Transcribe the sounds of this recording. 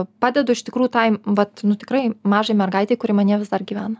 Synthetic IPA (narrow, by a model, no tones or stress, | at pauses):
pɑːd̪ʲɛd̪ʊɪʃt̪ʲɪkɾuːjuːt̪ɐɪʋɐt̪nʊt̪ʲɪkɾɐɪmɑːʒɐɪmʲɛrɡɐɪt̪ʲɛɪkʊɾʲimɐnʲiɛʋʲɪzd̪ɐrɡʲiːʋʲæːnɐ